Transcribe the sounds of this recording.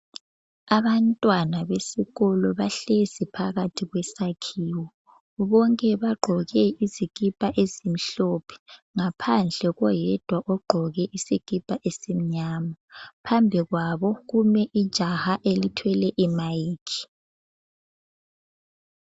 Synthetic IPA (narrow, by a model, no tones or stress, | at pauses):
aβantʼwanaβesiɣɔlɔβaɬezipʰaɣatʰiɣwɛsakʰiːwɔ | βɔŋkʼɛβaɡ͡ǃʱɔɣɛiziɣipʼaʔezim̩ɬɔpʰɛ̥ŋapʰand͡ɮʱɛɣɔjɛd̥ʱwaʔɔɡ͡ǃʱɔɣɛʔisiɣʼipʼaʔesim̩ɲaːmapʰambʱiɣwaβɔɣumɛʔid̥ʒ̥ʱahaʔelitʰwɛlɛʔimajiːkʰi̥